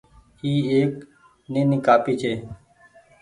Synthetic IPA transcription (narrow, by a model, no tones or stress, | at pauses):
iːeːk | neːnɪkaːpiːt͡ʃʰeː